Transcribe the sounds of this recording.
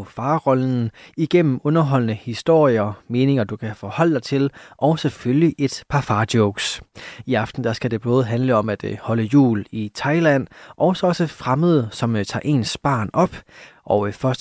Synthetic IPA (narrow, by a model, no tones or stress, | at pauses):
fɑ̈ːʁɒ̽ln̩iɡ̥en̰m̩ɔ̽nɐɦɒ̽l̰nəhisd̥o̝ɐ̰ijɐme̝ːne̝ŋɐd̥ukʰæfɒ̽hɒ̽l̰əd̥ɑ̈ɪt͡sʰe̝lʔɒ̽ʊseføljiʔe̝d̥pʰɑ̈fɑ̈ːd̥jɔʊɡ̥siɑ̈fd̥n̩d̥æsɡ̥æd̥e̝b̥ɔ̽ːð̞̩ˠɦænləɒ̽mæd̥hɒ̽ləjṵːlit͡sʰɑ̈ɪlæn̰ʔɒʊsɒ̽ɒ̽səfʁaməðˠsɒ̽mt͡sʰɑ̰̈ːʔe̝̰ːnsb̥ɑ̰̈ːnɒ̽b̥ʔɒ̽ʊfɶɐs